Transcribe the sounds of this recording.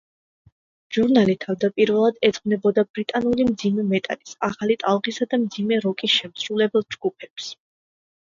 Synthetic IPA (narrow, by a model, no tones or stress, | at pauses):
ʒ̥uɾnalit̪ʰavd̪apʼiɾvɛlˠad̪ɛd̪zʁnɛbɔd̪abɾit̪ʼanulimd̪zimɛmɛt̪ʼa̰lisaχalit̪ʼalˠʁisad̪amd̪zimɛɾɔkʼisʃɛmsɾulɛbɛlˠd͡ʒɡupʰɛps